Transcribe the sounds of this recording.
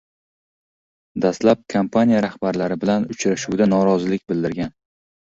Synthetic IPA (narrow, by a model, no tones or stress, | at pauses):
d̪ast̪lap̚kʰampʰanʲijaɾahbaɾlaɾɪbɪlanʊt͡ʃɾaʃuwd̪anɒɾɒzɪlɪkʲbɪld̪ɪɾɡʲan